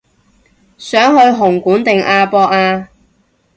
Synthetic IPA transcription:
sœː˨˥ŋɦɵ˧ɥɦʊ˨˩ŋkuː˨˥nt̪ɪ˨ŋʔaː˧pɔː˧k̚aː˧

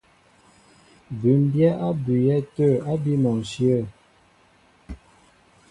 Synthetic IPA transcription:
bʉ˨˦m˦bjɛ˦a˦bʉ˨jɛ˦˨tə˦˨a˦bi˦mɔ˨sjə˦˨

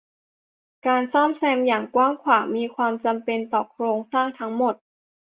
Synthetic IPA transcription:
kaː˧nsɔː˥˩msɛː˧mjaː˨˩ŋkwaː˥˩ŋkʰwaː˨˩ŋmiː˧kʰwaː˧mt͡ɕa˧mpe˧nt̪ɔː˨˩kʰɾoː˧ŋsaː˥˩ŋt̪ʰa˦˥ŋmo˨˩t̪̚

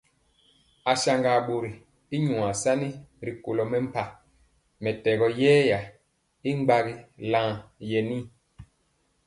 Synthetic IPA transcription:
a˨ʃa˨ŋɡa˨ɓo˨ɾi˨ | i˦ɲu˨a˨sa˦ni˦ɾi˨ko˨lɔ˨mɛ˦m̩˦˨pa˨ | mɛ˨tɛ˨ɣɔ˦jɛː˦ja˨ | i˦ŋ͡mɡ͡ba˦ɣi˦lã˦ŋjɛ˨ni˦

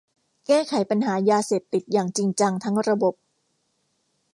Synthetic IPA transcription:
kɛː˥˩kʰa˩˦jpa˧nɦaː˩˦jaː˧seː˨˩p̚t̪i˨˩t̪̚jaː˨˩ŋt͡ɕi˧ŋt͡ɕa˧ŋt̪ʰa˦˥ŋɾa˧bo˨˩p̚

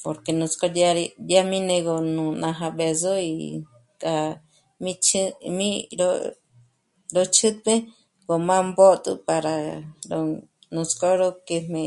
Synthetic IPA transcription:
po˧ɾke˨nũ˧t͡sko˧daɾda˦mĩ˦nẽ˧ɡo˧nũ˧nã˧ɦã˧ɓe˨zo˦ḭ | kʼa˧ | mĩt͡ʃʰmĩ˦ɾo | ɾo˧t͡ʃʰɨ˦t̪̚e˦ | ɡo˨mã˦mbo˦t̪ʼɨ̰˧pa˧ɾa˨ɾo | nũ˧sko˦ɾo˧ke˧mẽ˧

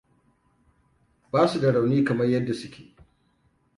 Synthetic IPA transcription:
baː˦su˨dɐ˨ɽa˨wniː˦kɐ˨mɐ˦rjɐ˦dːa˨sʊ˦kʲe̥ː˨

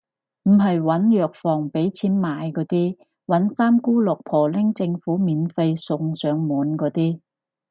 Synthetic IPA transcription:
m̩˨˩ɦɐ˨jwɐ˨˥njœː˨k̚fɔː˨˩ŋpe˨˥jt͡sʰiː˨˥nmaː˨˥jkɔː˨˥t̪iː˥ | wɐ˨˥nsaː˥mkuː˥lʊ˨k̚pʰɔː˨˩lɪ˥ŋt͡sɪ˧ŋfuː˨˥miː˨˧nfe˧jsʊ˧ŋsœː˨˥ŋmuː˨˥nkɔː˨˧˥t̪iː˥

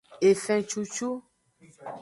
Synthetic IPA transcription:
e˨fɛ̃˨t͡ʃu˦t͡ʃu˦

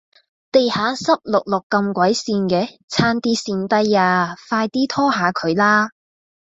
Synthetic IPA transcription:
t̪e˨jhaː˨˥sɐ˥p̚lʊ˨k̚lʊ˨kːɐ˧mkʷɐ˨˥jsiː˧nkɛː˧t͡sʰaː˧nt̪iː˧siː˨˩nt̪ɐ˧jaː˨˧faː˧jt̪iː˥t̪ʰɔː˥ɦaː˨˧kʰɵ˨˧ɥlaː˥

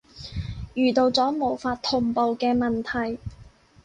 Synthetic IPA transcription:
jyː˨˩t̪o˧wt͡sɔː˨˥mo˨˩wfaː˧t̚t̪ʰːʊ˨˩ŋpo˨wkɛː˧mɐ˨nt̪ʰɐ˨˩j

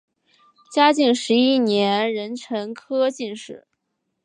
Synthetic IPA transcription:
t͡ɕja˥t͡ɕi˥˩ŋʂɻ̩˧˥i˥njɛ˧˥nɻə˧˥nʈ͡ʂʰɤ˧˥ŋkʰɤ˥t͡ɕi˥˧nʂɻ̩˥˩

